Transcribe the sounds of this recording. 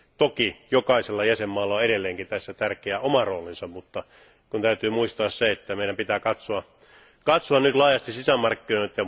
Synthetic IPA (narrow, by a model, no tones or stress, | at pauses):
t̪okijokɑiselːɑjæsemːɑːlːɑoeɾelːeːŋkit̪æsːæt̪ærkeæʔomɑroːlinsɑmmut̪ːɑ | kunt̪æyt̪yːmuist̪ɑːsseet̪ːæmeˑiɾæmpit̪æːkɑt̪soɑ | kɑt̪soɑnnyt̪lɑːjɑst̪issisæmɑrkːinoˑit̪ːˑjɑ